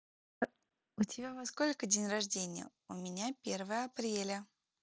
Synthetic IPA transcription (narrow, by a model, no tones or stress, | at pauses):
ʊtʲɪbʲavosko̞lʲkədʲenʲrɐʐdʲenʲɪjə̰ | ʊmʲɪnʲapʲervəjəɐpɾʲelʲə